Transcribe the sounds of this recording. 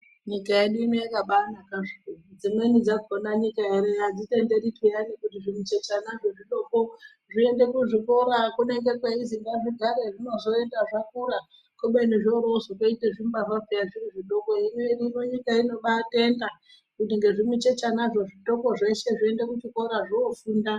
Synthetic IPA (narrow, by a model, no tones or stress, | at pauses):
ɲikajeɗuino̞jakaɓanakaʐikuud͡zinenid͡zakonaɲikaeɾead͡zite̞nde̞ritijanikutiʐimut͡ʃet͡ʃanaʐoʐiɗoko | ʐie̞nde̞kuʐiko̞ɾakune̞ŋɡe̞kweiziŋɡaʐiɡʱaɾeʐino̞zo̞e̞ndaʐak̚uɾa | koɓeniʐoɾozokoiteʐimɓaʐapejaʐireʐiɗo̞koimeirimoɲikaino̞ɓate̞nda | kutiŋɡe̞ʐimwut͡ʃet͡ʃanaʐo̞ʐito̞ko̞ʐe̞ʃe̞ʐiende̞kut͡ʃiko̞ɾaʐoːfuːnda